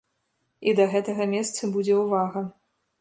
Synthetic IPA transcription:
id̪ɐɣɛt̪ɐɣɐmʲɛst̪sɐbud͡zʲɛwvaɣɐ

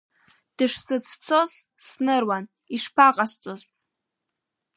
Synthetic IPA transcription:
d̥ɨʂsɨt͡sʰt͡sʰozsnɨrwan | iʂpʰaqʼast͡sʷʼozʼ

